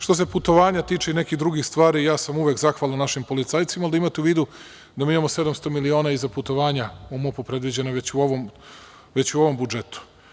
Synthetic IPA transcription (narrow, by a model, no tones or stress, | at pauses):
ʃt̪o̞s̬e̞put̪o̞ʋaːɲat̪iːt͡ʂeine̞kixd̪ɾuɡixst̪ʋaːɾiːjaːsamuʋekzaxʋalˠanːaʃimpo̞lit̪saːjt̪simald̪imat̪euʋiːd̪u | d̪amiːimamose̞d̪amst̪o̞milio̞ːnaizaput̪o̞ʋaːɲaumopupɾe̞d̪ʋid͡ʑe̞naʋet͡ɕuoʋom | ʋet͡ɕuoʋo̞mbud͡ʒet̪u̥